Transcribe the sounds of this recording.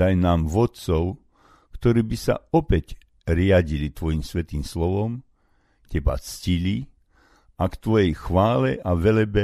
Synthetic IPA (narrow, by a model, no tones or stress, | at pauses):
ajnaːmʋɔt̪t͡sɔʊ | kt̪ɔɾiːbisa̰ɔpɛc | ɾɪaɟilit̪ʋɔjimsʋɛt̪iːmslɔʋɔm | cɛba̰t͡scili | akt̪ʋɔjɛjxʋaːlɛʔaʋɛlɛbɛ